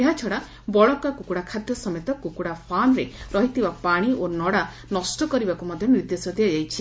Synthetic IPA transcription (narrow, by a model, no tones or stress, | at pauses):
eɦat͡ʃʰɔɽa | bɔɭɔkakukuɽakʰad̪jɔsɔmet̪ɔkukuɽapʰanɾeɾɔɦit̪ʰibapaɽ̃iʔonɔɽa | nɔsʈɔkɔɾibakumɔd̪ʱjɔniɾd̪esɔt̪ʰijad͡ʒajt͡ʃʰi